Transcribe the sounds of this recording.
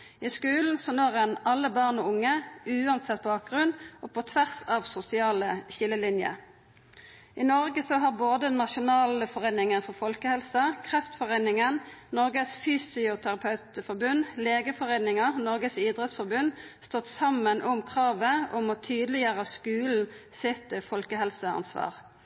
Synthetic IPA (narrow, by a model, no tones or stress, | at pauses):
iskʉːln̩sɔnoːʁɛnɑlːəbɑʁnɔʊŋːəʉːɑnsɛt̪̚ːbɑːk̚ɡʁʉnʔɔpʰɔt̪ʰʋæʁsɑʋsʊsɪɑːləçɪlːəlɪnjə̰ | ʔɪnɔʁɡəsɔɦɑʁboːd̪ənɑʃʊnɑːləfɔʁeɪnɪŋənfɔʁfɔlkəhɛlsɑkʰʁɛft̪fɔʁeɪnɪŋənnɔʁɡəsfyːsɪʊt̪ʰæʁɑpʰɑʉt̪fɔʁbʉnːleːɡəfɔʁeɪnɪŋəʁnɔʁɡəsiːd̪ʁɛt̪sfɔʁbʉnst̪ɔt̪ːsɑmːənʔʊmkʰʁɑːʋəɔmɔt̪ʰyːd̪əlɪjøːʁəskʉːln̩sɪt̪əfɔlkəɦɛlsəɑ̰nsʋɑ̰ːʁ